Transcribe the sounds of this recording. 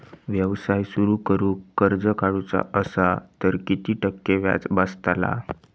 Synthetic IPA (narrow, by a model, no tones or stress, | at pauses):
ʋjəʋsajsuɾuːkəɾuːkːəɾd͡zəkaɽut͡sa̰ʔəsat̪əɾkit̪iːʈəkːeʋja̰t͡sbəst̪ala̰